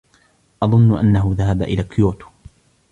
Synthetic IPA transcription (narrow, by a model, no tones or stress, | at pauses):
ʔɑðˤʊnːʊʔa̰nːaɦʊðaɦabaʔɪlaːkʰjoːt̪o̥